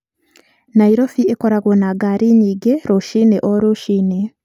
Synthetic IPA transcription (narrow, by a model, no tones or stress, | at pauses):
naiɾofiekoɾaɣonaɡaɾiɲiːɡeɾoʃineʔoɾuʃine